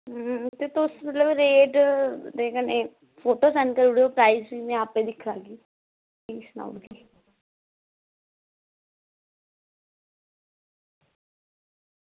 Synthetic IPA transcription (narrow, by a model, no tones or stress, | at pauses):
t̪eːt̪ʊsmət̪ləbɾeːʈd̪eːkəneː | pʰoːʈoːsɛnkəɾuɽoːpɾaːisiːnẽːaːpẽːd̪ɪkʰːlaːɡiː | iːsna̰ʊʈɡiː